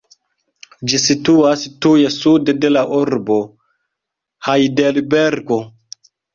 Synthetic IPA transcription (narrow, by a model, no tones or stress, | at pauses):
d͡ʒisituastujesudde̞laʔuɾbo | hajdelbeɾɡo